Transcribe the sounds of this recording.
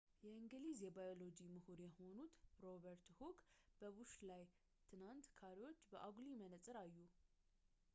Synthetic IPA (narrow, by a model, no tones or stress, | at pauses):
jɛɨŋɡlizjɛbajo̞lo̞d͡ʒimɨhuɾjɛho̞nut̪ɾoβəɾt̪hukb̥əβuʃlaj | t̪ʰɨnant̪kʰaɾiwot͡ʃːbəʔaɡlimənət̪ʼɨɾajːu